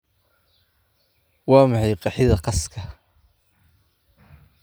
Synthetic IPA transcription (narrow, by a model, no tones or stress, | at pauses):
wɑːmɑħɑjqɑħɪðɐqɑskʰɐ